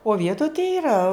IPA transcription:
oː ˈʋʲiɛtoːj tɐɪ ɪˈrɐ

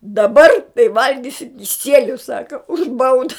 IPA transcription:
dɐˈbɐr tɐɪ ˈʋɐlʲɡʲɪsʲɪ kʲɪˈsʲiɛlʲʊ ˈsɑːkɐ ʊʃ ˈbɐʊdɐ

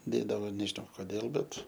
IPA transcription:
ˈdʲeːdɐʋoː nʲɛʒʲɪˈnɐʊ koːˈdʲeːlˠ ˈbʲɛt

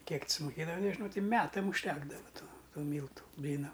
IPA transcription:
ˈkʲiɛk t sʊmʊˈkʲeːdɐʋɐ nʲɛʒʲɪˈnɐʊ ˈtʲɪ ˈmʲæːtɐm ʊʃʲˈtʲæːɡdɐʋɐ ˈtuː ˈtuː ˈmʲiːlˠtʊ ˈbʲlʲiːnɐm

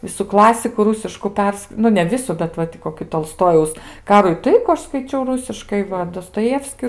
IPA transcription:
ˈʋʲɪsʊ ˈklˠɑːsʲɪkʊ ˈruːsʲɪʃkʊ ˈpʲɛrs ˈnʊ nʲɛ ˈʋʲɪsʊ bʲɛt ˈʋɐ tʲɪ koːˈkʲɪ toːlˠˈstoːjɛʊs ˈkɑːruː ɪ ˈtɐɪkuː ˈɐʃ skɐɪˈt͡ʃʲɛʊ ˈrʊsʲɪʃkɐɪ ˈʋɐ doːstoːˈjæːwsʲkʲɪ

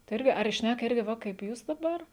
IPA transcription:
tɐɪ ˈɪrʲɡʲɪ ɐr ɪ ˈʃʲnʲækɐ ˈɪrʲɡʲɪ ˈʋɐ kɐɪp ˈjuːs dɐˈbɐr

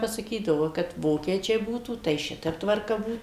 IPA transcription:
pɐsɐˈkʲiːdɐʋoː kɐt ˈʋoːkʲiɛt͡ʃʲɛɪ ˈbuːtuː tɐɪ ˈʃʲɪtʲɛp tʋɐrˈkɐ ˈbuːt

